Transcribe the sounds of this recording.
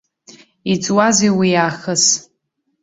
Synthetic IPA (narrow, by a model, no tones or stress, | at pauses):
it͡sʼwazejwijaːχəs